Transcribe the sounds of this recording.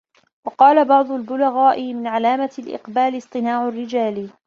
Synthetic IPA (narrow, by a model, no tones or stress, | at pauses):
wɑqɑːlabɑʕd̪ˤʊlbʊlaɣaːʔɪmɪnʕalaːmalʔɪ̰qbaːlɪsˤt̪ˤɨnaːʕʊrːɪd͡ʒaːl